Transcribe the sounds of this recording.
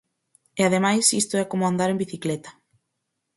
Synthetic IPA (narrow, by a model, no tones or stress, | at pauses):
eaðemajsist̪ʊɛkomoand̪aɾembiθiklet̪ɐ̥